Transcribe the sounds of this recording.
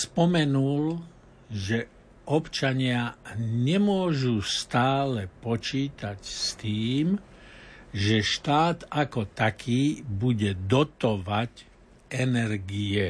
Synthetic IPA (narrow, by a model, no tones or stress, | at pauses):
spɔmɛnul | ʒɛ | ʔɔpt͡ʃaɲɪaɲɛmʊɔʒust̪aːlɛpɔt͡ʃiːt̪acst̪iːm | ʒɛʃt̪aːd̪akɔt̪akʰiːbuɟɛd̪ɔt̪ɔʋac | ʔɛnɛɾɡiɛ